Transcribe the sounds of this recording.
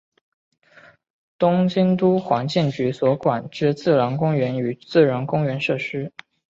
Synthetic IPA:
t̪ʊ˥ŋɕi˥nt̪u˥xwa˧˥ŋt͡ɕjɛ˥˩nt͡ɕy˧˥swɔ˧˥kwa˨˩nʈ͡ʂɻ̩˥˧t͡sɹ̩˥˩ɻə˧˥ŋkʊ˥ŋɥɛ˧˥ny˨˩t͡sɹ̩˥˩ɻə˧˥ŋkʊ˥ŋɥɛ˧˥nʂɤ˥˩ʂɻ̩˥

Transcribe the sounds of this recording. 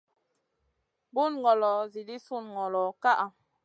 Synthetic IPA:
bu˦˨nŋɡɔ˨lɔ˨zi˨li˦su˦˨n˨ɡɔ˨lɔ˨˦ka˦ʔa˨

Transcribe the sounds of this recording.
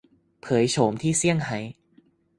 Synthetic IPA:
pʰɤː˩˦jt͡ɕʰoː˩˦mt̪ʰiː˥˩si˥˩əŋha˩˦j

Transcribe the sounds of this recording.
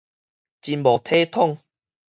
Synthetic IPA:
t͡ɕi˧nbo˨˩t̪ʰe˦t̪ʰɔ˥˨ŋ

